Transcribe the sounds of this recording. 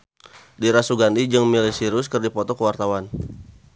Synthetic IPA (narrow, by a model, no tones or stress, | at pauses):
diɾasuɡandid͡ʒɨŋmilisiɾʊskərdipɔt̪ɔkəwart̪awan